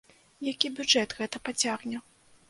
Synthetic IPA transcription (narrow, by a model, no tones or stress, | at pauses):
jakʲibʲudd͡ʐɛt̪ɣɛt̪ɐpat͡sʲaɣnʲɛ